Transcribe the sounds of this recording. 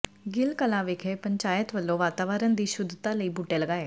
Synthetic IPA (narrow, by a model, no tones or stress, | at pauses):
ɡɪlkəlãːʋeːkʰeːpəɲt͡ʃaːjət̪ʋəlːõːʋaːt̪aːʋəːɾənd̪iːʃʊd̪t̪ãːləiːbuːʈeːləɡaːeː